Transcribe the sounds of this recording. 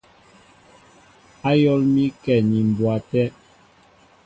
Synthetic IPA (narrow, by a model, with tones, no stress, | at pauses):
a˦jɔ˦lmi˦kɛ˨ɲi˨m˨bwa˨tɛ˦